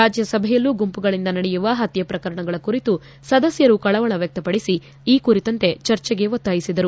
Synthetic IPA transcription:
ɾaːd͡ʒjɐsɐbʱɛjɐlːuɡumpuɡɐɭind̪ɐnɐɽɛjuʋɐɦɐt̪jɐpɾɐkɐɾɐɳɐɡɐɭɐkuɾit̪u | sɐd̪ɐsjɐɾukɐɭɐʋɐɭɐʋjɐk̚t̪ɐpɐɽisi | iːkuɾit̪ɐnt̪e̞t͡ʃɐɾt͡ʃɛɡe̞ʋot̪ːaːjisid̪ɐɾu

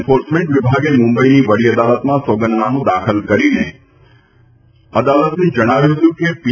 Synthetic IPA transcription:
foɾsmẽɳʈʋɪbʱaɡemʊ̃mbəiniʋəɽiəd̪alət̪mãsoɡənnaɦũd̪akʰəlkəɾine | əd̪alət̪ned͡ʒəɽ̃aʋjũɦət̪jũkepi

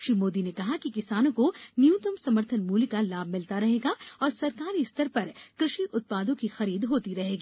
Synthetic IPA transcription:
ʃimoːd̪inekɐɦakikɪsaːnõkonjuːt̪əmsɐməɾt̪ʰənmuːlkalaːbʱmɪlt̪aɾɐɦeːɡaɔːɾsɐɾkaːɾist̪ʰəɾpɐɾkɾɪʃiʔʊt̪̚paːd̪õkixɐɾiːd̪ɦoːt̪iɾɐɦeːɡiː

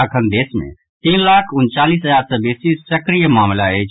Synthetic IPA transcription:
əkʰənd̪eːsmḛ̃ | t̪iːnlaːkʰʊnt͡ʃaːliːsɦəzaːɾsə̃beːsisəkɾijəmaːmlaeː

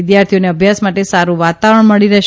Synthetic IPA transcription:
d̪jaɾt̪ʰijoneəbʱjasmaʈesaɾũʋat̪aʋəɾəɳməɭiɾəʃ

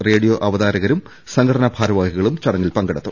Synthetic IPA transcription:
reːɽijoʔɐʋɐðaːɾɐɣɐɾum | sɐŋɡʰɐɽɐnɐbʱaːɾɐʋaːɦiɣɐɭumt͡ɕɐɽɐŋːilpɐŋɡɐɽɐt̪ːu

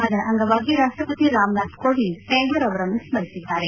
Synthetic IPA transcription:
ɐd̪ɐʔɐŋɡɐʋaːɡiɾaːʂʈɾɐpɐt̪iɾaːmnaːt̪koːɽiseːnd̪ɐɾɐʋɐɾɐnːusmɐɾisid̪ːaːɾe

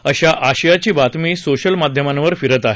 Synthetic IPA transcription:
əɕaʔaɕjat͡ɕiːbat̪miːsoɕəlmad̪ʱjəmanʋəɾfiɾət̪aɦe

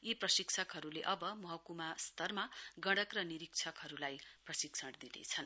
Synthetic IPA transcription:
iprʌsikt͡sʰʌkɦʌɾuleʔʌbʌmʌɦʌkumast̪ʌrmaɡʌɽʌkrʌniɾik̚t͡sʰʌkɦʌɾulajprʌsiksʰʌʈd̪inḛt͡sʰʌn

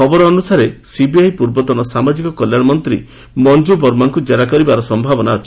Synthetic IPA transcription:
kʰɔbɔɾɔːnusaɾesibiajpuɾbɔt̪ɔnɔsamad͡ʒikɔkɔljaɽɔmɔnt̪ɾḭ | mɔnd͡ʒubɔɾmaŋkud͡ʒaɾakɔɾibaɾɔsɔmbʱabɔnaɔt͡ʃʰi

